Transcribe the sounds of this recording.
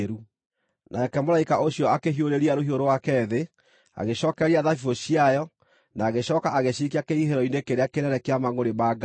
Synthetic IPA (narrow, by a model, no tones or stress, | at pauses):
ɾu | nʔakɛmolaikaʔoɕjɔakeɦioɾeɾiaɾoɦioɾowakɛðe | a̰ɣeɕɔːkɛɾiaðafioɕiajɔ | naːɣeɕɔːkaʔaɣeɕikiakeiɦeɾɔinekeɾeakenɛɾɛkeamaŋoɾemaːɡa